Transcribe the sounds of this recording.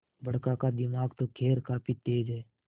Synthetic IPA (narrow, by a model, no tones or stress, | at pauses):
bəɽkakad̪ɪmaːɡt̪okʰeːɾkaːpʰit̪eːd͡ʒɦɛː